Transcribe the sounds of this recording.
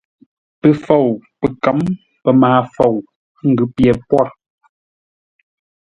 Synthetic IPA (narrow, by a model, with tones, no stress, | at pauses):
pə˨fo˨wpə˨ka˨˦m | pə˨maː˨˦fo˨w | ŋ̩˨ɡʉ˨˦pjɛ˨pwɔ˦˨ɾ